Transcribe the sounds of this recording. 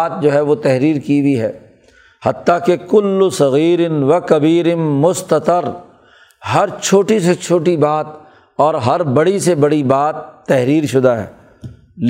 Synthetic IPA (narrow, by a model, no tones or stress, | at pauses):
t̪̚d͡ʒoːɦɛʋot̪ɛɦɾiːɾkibiɦɛː | hɐt̪ːakekʊlːʊsɐɣiːɾɪnʋɐkɐbiːɾɪmʊst̪ɐt̪əɾ | ɦɐɾt͡ʃʰoːʈiset͡ʃʰoːʈibaːt̪̚ | ɔːɾɦɐɾbɐɽisebɐɽibaːt̪ːɛɦɾiːɾʃʊd̪aɦɛ̰ː | l